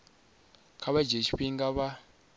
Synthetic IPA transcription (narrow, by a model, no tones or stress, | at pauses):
kʰaβad͡ʒeʃiɸiŋɡaβa